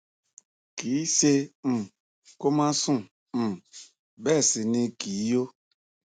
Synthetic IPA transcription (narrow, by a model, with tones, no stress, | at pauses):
ki˨˦se˦m̩˨ | ko˦mã˦sũ˦˨ | m̩˨ | bɛ˦˨si˨ne˦ki˨˦jo˦